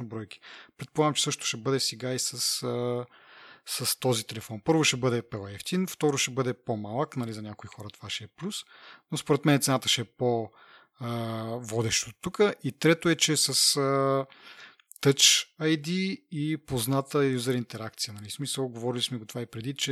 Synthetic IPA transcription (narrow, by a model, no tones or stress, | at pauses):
nobɾɔjk̟i̥pɾɛt̪polˠaɡmt͡ʃɛ̥sɤʃt̪o̥ʃɛbɤd̪ɛsɛɡaisəsə | səst̪ɔzit̪ɛlɛfɔnpɤɾvoʃɛbɤd̪ɛpɛlˠɛft̪inft̪ɔɾoʃɛbɤd̪ɛpomalˠəknɐlizɐnʲakoixɔɾət̪o̥vaʃɛɛplʲusnospoɾɛt̪mɛnɛt̪sɛnat̪əʃɛɛpo | vɔd̪ɛʃt̪ot̪ːukəʔit̪ɾɛt̪oɛt͡ʃɛsɐsə | t̪ɤt͡ʃɐjd̪iipoznat̪əjuzəɾint̪ɛɾak̚t̪sijənɐlismisəlˠɡovɔɾilismɛɡot̪ovaipɾɛd̪it͡ʃɛ